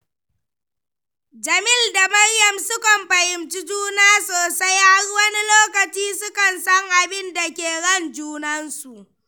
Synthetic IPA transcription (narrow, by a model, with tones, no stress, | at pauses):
d͡ʒɐ˨mɪ˦˨lda˨mɐ˦rjɐ˨msʊ˦kɐ˨mɸɐ˨jɪ˨mt͡ʃi˦d͡ʒuː˦naː˦soː˨sa˦jha˦rwɐ˦ni˦loː˦kɐ˨t͡ʃiː˦sʊ˦kɐ˨nsɐ˦ŋʔa˨bɪ˦nda˨kʲeː˨ɽɐ˦˨nd͡ʒuː˦nɐ˦nsu˨ʔ